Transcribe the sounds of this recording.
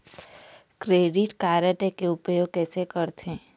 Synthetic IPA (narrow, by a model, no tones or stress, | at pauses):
kɾeːɖɪʈkaːɾəʈekeʊpjoːɡ̚kɛːsekəɾt̪ẽː